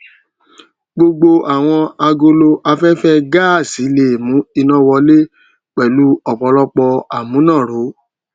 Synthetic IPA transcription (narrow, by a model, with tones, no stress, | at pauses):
ɡ͡bo˧ɡ͡bo˧ʔa˨w̃ɔ̃˧a˧ɡo˧lo˧ʔa˧fɛ˦fɛ˦ɡa˦˨si˨˦le˦˨mũ˨˦i˧nɔ̃˦wɔ˧le˦ | k͡pɛ˨lu˨˦ɔ˨k͡pɔ˨˧˦lɔ˦k͡pɔ˧a˨mũ˨˦nã˦˨ɾo˨˦